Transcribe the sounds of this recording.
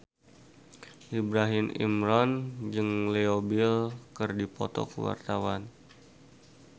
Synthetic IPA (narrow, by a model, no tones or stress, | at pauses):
ʔibɾaɦɪmḭmɾɔnd͡ʒɨŋleobilkɨrdipɔ̰t̪ɔ̰kəwa̰rt̪awan